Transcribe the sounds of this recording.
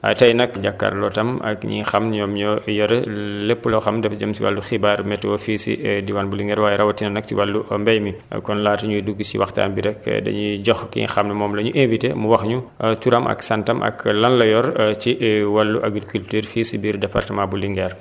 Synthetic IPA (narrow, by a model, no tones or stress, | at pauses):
ɐtɐjnɐkɟakːa̰ɾlɔtɐmɐ̰kɲḭxɐmnɲɔːmɲɔjɔɾɛlepːulɔxɐmdɛfd͡ʒəmsiwɐ̰lːuxibaːɾmɛtːwɔfisḭdiwanbuliŋɡɛːɾwaːjɛɾɐwɐtinɐnɐk̚siwɐlːumbɛjmikɔnlaːtɐɲuduɡːusḭwɐxta̰ːnbiɾɛkdɐ̰ɲuɟɔxkḭxɐmnɐmɔːmlɐɲuʔenvitḛmuwɐxɲutuɾɐmʔɐ̰ksɐntɐmʔɐ̰klɐnlɐjɔɾt͡ʃiʔwɐlːuʔɐɡilkyltyːɾfiːsibiːɾdɛpa̰rtɐmãbuliŋɡɛːɾ